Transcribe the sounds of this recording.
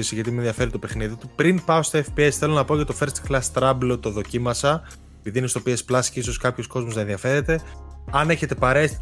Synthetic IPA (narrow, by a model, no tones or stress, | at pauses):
isiʝɐt̪imenðiɐfe̞ɾit̪ope̞xniðit̪upɾinpɐost̪oefpiesθe̞lo̞nɐpo̞cɐt̪ofe̞ɾst̪klɐst̪ɾɐblot̪o̞ðo̞cimɐsɐ | epiðinest̪opiesplɐsciso̞skɐpço̞sko̞zmoznɐẽðiɐfe̞ɾe̞t̪e̞ɐne̞çe̞t̪e̞pɐɾes